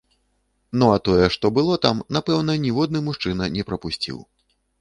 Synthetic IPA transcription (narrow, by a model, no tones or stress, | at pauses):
nɔat̪ɔjɛʂt̪ɔbɨlˠɔt̪amnapɛwn̪ɐnʲivɔd̪nɨmuʂt͡ʂɨnɐnʲɛpɾɐpusʲt͡sʲḭw